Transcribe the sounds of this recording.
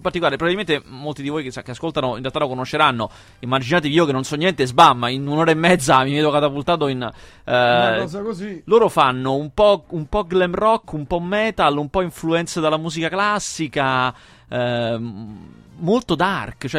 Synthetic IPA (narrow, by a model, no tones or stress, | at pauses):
part̪ikolaːɾepɾobabilment̪emolt̪id̪ivojkesakeaskolt̪anoinrealt̪alokonoʃːeɾanːo | imːad͡ʒinaːt̪̬eiiːokenːonsɔnːjɛnt̪ezbamːainunoːɾaemːɛd̪zːamivɛːd̪okat̪apult̪aːt̪̬oin | ɔzakoziloːɾofanːoumpɔumpɔɡlɛmrɔkːumpɔmɛt̪alumpɔiɱfluɛnt̪sed̪alamuːzikaklasːika | molt̪od̪arkt͡ʃoɛ